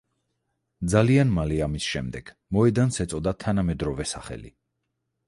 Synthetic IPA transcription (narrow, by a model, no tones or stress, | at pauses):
d̪zalianmaliamisʃɛmd̪ɛɡ̥ | mɔɛd̪ansɛt̪sʼɔd̪at̪ʰanamɛd̪ɾɔvɛsaχɛ̰lḭ